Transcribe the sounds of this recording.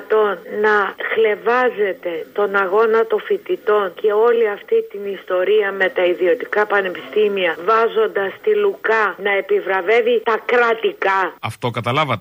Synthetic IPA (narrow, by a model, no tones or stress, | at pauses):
t̪o̞nnɐxle̞vɐze̞t̪e̞t̪o̞nɐɣo̞nɐt̪o̞fit̪it̪o̞nce̞o̞liɐft̪it̪inist̪o̞ɾiɐme̞t̪ɐiðio̞t̪ikɐpɐne̞pist̪imiɐvɐzo̞nd̪ɐst̪ilukɐnɐe̞pivɾɐve̞vit̪ɐkɾɐt̪ikɐɐft̪o̞kɐt̪ɐlɐvɐt̪